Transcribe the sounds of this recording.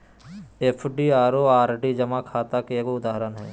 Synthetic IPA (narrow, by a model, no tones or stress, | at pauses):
eːpʰɖiaːɾoaːɾɖid͡ʒɐmakʰaːt̪akekoʊd̪aːɦɾənɦɛː